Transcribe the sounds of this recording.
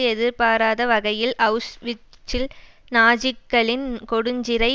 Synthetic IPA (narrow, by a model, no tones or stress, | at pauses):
ɛðɪɾpaːɾaːðɐʋɐɣɐjɪlʔɐʊsʋɪ | t͡ʃːɪl | naːd͡ʒɪkːɐɭɪnkɔɽɯɲd͡ʒɪɾɐɪ